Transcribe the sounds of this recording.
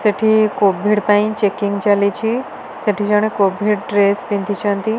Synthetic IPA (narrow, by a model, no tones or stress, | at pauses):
seʈʰikobʱiɽpaĩt͡ʃekiŋɡt͡ʃalit͡ʃʰi | seʈʰid͡ʒaɽ̃ekobʱiɽʈɾespĩnt̪it͡ʃʰãnt̪i